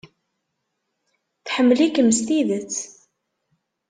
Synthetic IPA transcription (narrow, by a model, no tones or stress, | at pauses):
θħəmːlikːəmːəst̪iðət͡sː